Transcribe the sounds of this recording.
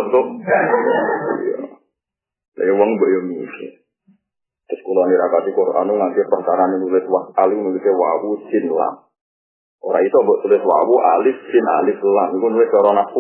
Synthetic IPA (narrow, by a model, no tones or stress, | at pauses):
t̪ʊ | jɔ̰ | la̰jɔwɔŋmbɔʔjɔmikɪ̰ | t̪ɾʊskulɔniɾakat̪ikɔɾʔanuŋant̪ipɾakaɾaninulɪt̪̚waaliknulit̪ewa̰wusɪnla̰m | ʔoɾait̪uambəʔt̪ulɪt̪wa̰wuʔa̰lɪfsɪna̰lɪflamikunulɪt̪̚kɔɾɔnafu